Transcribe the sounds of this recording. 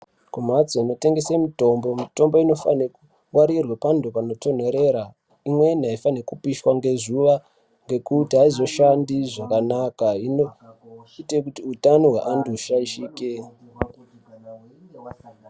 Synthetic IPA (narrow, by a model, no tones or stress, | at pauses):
kumat͡soino̞te̞ŋɡe̞semito̞mbo̞mito̞mbo̞ino̞faneku | waɾirwepandopano̞to̞n̤oɾe̞ɾa | imwe̞n̤iaifanekupiʃwaŋɡe̞zuʋa | ŋɡe̞kutiɦaizo̞ʃandiʐakanakainoite̞kutiutanoɦwḛʔanduuʃaiʃiːke